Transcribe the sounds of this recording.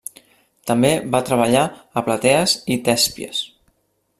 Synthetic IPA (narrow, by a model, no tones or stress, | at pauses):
t̪əmbeβat̪ɾəβəʎaəplət̪ɛəzit̪ɛspjə̰s